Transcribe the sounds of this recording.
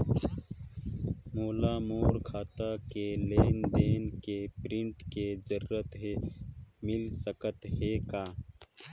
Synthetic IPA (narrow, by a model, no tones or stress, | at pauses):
moːlamoːɾkʰaːt̪akeleːnd̪eːnkepɾɪ̃ɳʈked͡ʒəɾːət̪ɦe | mɪlsəkət̪ɦekaː